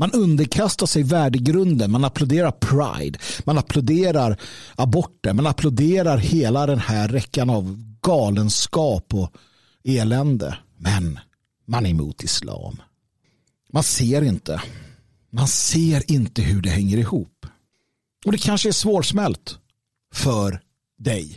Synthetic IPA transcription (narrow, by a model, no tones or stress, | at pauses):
manɵnd̪əɾkʰast̪aʂɛjvæːɖəɡɾɵnd̪ənmanaplʊd̪eːɾaɾpʰɾa̰ɪd̪manapʰlʊd̪eːɾaɾabɔʈːəɾmɛnapʰlʊd̪eːɾaɾheːlad̪ɛnhæɾːɛkːanavɡɑːlənskɑːpɔ | eːlɛnd̪ə̰ | mɛn | manɛɾmṵːt̪ʰɪslɑ̰ːm | manseːɾɪnt̪ʰə | manseːɾɪnt̪əhɵɖɛhɛŋːəɾɪhuːpː | ɔd̪ɛkʰanʂəæʂvoːɾʂmɛlt̪ | fœɾ | d̪ɛj